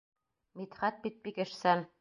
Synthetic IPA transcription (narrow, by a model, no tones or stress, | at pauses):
mit̪χæt̪̚bit̪̚bikɘ̆ʃsæn